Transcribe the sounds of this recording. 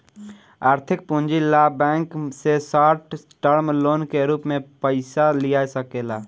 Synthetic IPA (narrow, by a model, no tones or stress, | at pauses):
aːɾt̪ʰɪk̚pũnd͡ʒilabɛ̃ːŋksesaːʈʰ | ʈəɾmloːnkeɾuːpmẽpəɪsalijasəkeːla